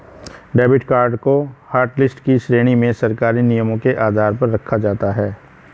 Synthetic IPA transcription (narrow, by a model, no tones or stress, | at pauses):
ɖɛːbɪʈkaːɾɖkohaːɾʈlɪsʈkiʃɾeːɽ̃imẽsɐɾkaːɾinijəmõkeʔaːd̪ʱaːɾpɐɾːɐkʰːad͡ʒaːt̪aɦɛː